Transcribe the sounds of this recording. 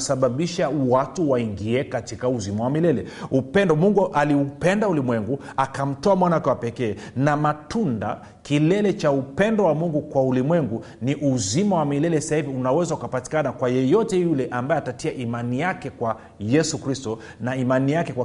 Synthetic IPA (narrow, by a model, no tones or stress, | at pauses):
saɓaɓiʃawatuwaiŋɡiɛkatikauzimawamilɛlɛupɛndɔmuŋɡuʔaliupɛndaulimwɛŋɡuakam̩tɔamwanaakɛwapɛkɛːnamatunda̰ | kilɛlɛt͡ʃaupɛndɔwamuŋɡukwaulimwɛŋɡu | niʔuzimawamilɛlɛsahiviunawɛzaukapati̥kanakwajɔjɔtɛjulɛʔambaɛatatiaʔimanijakɛkwa | jɛsukɾistɔ | naimanijakɛkwa